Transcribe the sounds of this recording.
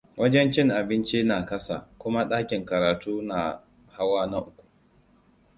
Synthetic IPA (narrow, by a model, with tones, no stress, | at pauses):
wʔɐ˦d͡ʒɛ˦nt͡ʃɪ˦ŋʔa˨bɪ˦nt͡ʃi˦naː˨kɐ˦sa̰ː˨kʷʊ˦ma˦ɗaː˦kʲɪ˨ŋkɐ˨ɾaː˨tuː˦na˨ | ha˦waː˦na˦ʔʊ˦kʷu̥˨